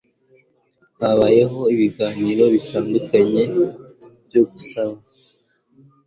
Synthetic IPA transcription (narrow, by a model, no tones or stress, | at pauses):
haβaje̞ɦo̞iβiɡaːniɾo̞βitaːndukaɲe̞ | bjoɡusaβa